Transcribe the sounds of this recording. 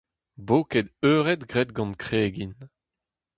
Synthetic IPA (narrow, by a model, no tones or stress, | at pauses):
boːked̪øːʁɛt̪ɡʁɛt̪̚ɡɑ̃nkχeːɡin